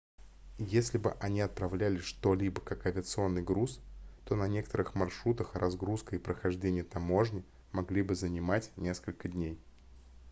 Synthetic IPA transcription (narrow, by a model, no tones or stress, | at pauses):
jesʲlʲɪbɨ̰ʔɐnʲiɐt̪̚pɾɐvlʲælʲɪʂt̪o̞lʲibəkakɐvʲɪət̪sɨo̞nːɨjɡɾust̪o̞nɐnʲe̞kət̪əɾɨxmɐrʂɾut̪əxrʔɐzɡɾuskəipɾəxɐʐdʲenʲɪjət̪ɐmo̞ʐnʲɪ | mɐɡlʲibɨzənʲɪmatʲnʲe̞skəlʲkədʲnʲej